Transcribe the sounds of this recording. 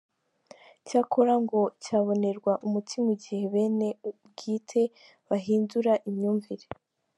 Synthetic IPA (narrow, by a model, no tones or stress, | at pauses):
caːkʰo̞ɾaŋɡo̞caːβo̞ne̞ɾɡwaʔumutʰimuɟihe̞βe̞ːne̞ub̚ɡiːtʰe̞ | βaɦiːnzuɾaʔimɲuːɱviɾe